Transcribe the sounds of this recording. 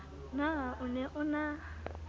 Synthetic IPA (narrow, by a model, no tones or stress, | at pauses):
naʔʊnɛʔʊna